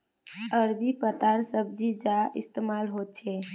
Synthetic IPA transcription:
əɾbipət̪aɾsəb̚d͡ʒid͡ʒaḭst̪emalɦot̪̚t͡ʃʰɛ

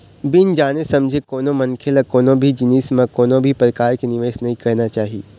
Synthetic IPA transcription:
bɪnd͡ʒaːnesɐmd͡ʒʱekoːnõmɐ̃nkʰelakoːnõbʱid͡ʒɪniːsmẽkoːnõbʱipɾɐkaːɾkenɪʋeːʃnɐɦĩkɐɾnat͡ʃaːɦieː

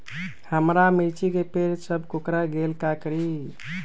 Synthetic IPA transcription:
həmɾamit͡ʃikepeɾsəbʱkokɾaɡelkakɾi

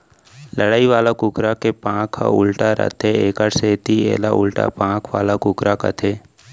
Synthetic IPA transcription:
ləɽaːiʋaːlakʊkɾakepãːkʰːa̰ʊlʈaɾə̰t̪ʰeeːkəɾseːt̪iḛːlaʔʊlʈa̰pãːkʰʋa̰ːlakʊkɾaka̰t̪ʰeː

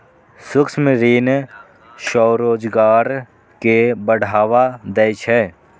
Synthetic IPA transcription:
sʊksmeɾiːn | ʃɔːɾoːd͡ʒɡaːɾ | kebəɽ̤ʱaːʋad̪ɛɪʃʰɦɛː

